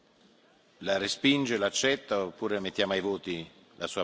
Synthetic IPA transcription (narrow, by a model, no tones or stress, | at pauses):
larespind͡ʒelaːt͡ʃːɛt̪ːaopːuːɾemet̪ːjaːmoajvoːt̪i | lasuːa